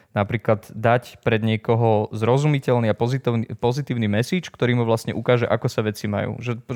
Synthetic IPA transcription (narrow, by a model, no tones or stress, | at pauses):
napɾiːklad̪d̪acpɾɛd̪ɲɪɛkɔɦɔzɾɔzumicɛlniapɔit̪pɔzit̪iːʊnimɛsiːt͡ʃkt̪ɔɾiːmuʋlast̪ɲɛʔukaːʒɛʔakɔsaʋɛt͡sima̰jṵːʒɛ